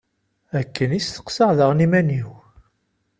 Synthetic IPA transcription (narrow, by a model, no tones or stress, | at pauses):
ækːənisθə̥qsəʁðəʁnimæniw